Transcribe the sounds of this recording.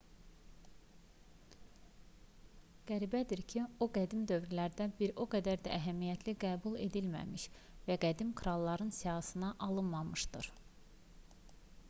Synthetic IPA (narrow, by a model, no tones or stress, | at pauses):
ɡ̥æɾibæd̪iɾcʰioɡæd̪imd̪ø̞vɾilæɾd̪æbiɾoɡæd̪æɾd̪æʔæɦæmijæt̪ʰliɡæːbulˠe̞̰d̪ilmæ̰miʃ | væɡæd̪imkʰɾɑlˠːɑɾɯnsijɑhɯsɯnɑʔɑlˠɯnmɑmɯʃd̪ɯɾ̥